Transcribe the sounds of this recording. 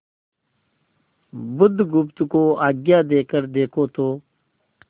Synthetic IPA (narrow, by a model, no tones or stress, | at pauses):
bʊd̪ʱɡʊpt̪koːaːɡjaːd̪eːkəɾd̪eːkʰoːt̪oː